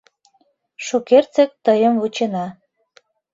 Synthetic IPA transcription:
ʃukert͡sek̚t̪əjə̆mvut͡ɕenɑ

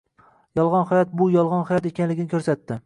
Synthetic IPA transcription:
jɒlˠʁɒnhɒjɒt̪̚bʊjɒlˠʁɒnhɒjɒt̪e̞kʲanlɪɡʲɪnɪkʰɵɾsat̪ːɪ

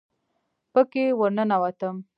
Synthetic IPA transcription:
pəkewəɾnənawat̪əm

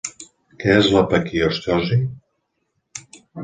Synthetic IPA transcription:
kɛzlapakioʃt̪ɔʒi

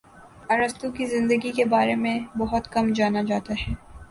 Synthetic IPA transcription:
ɐɾəst̪ũkizɪ̃nd̪əɡikebaːɾemẽbɐɦʊt̪kɐmd͡ʒaːnad͡ʒaːt̪aɦɛː

